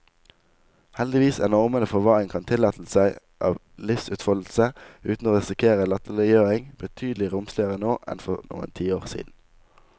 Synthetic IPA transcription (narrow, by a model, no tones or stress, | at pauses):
hɛld̪ɪʋiːsænɔʁmənəfɔʁʋɑːʁɪŋkʰɑnt̪ʰɪlɑːt̪l̩sæɪ | ʔɑːʋ | lɪfsʉːt̪fɔll̩səʉːt̪n̩oːʁɪsɪkʰeːʁəlɑt̪əlɪjøːʁɪŋb̥ət̪ʰyːd̪l̩ɪʁʊmslɪəʁənoːʔɛ̰nfɔʁnṵːə̰nt̪ʰiːoːʁsḭːd̪n̩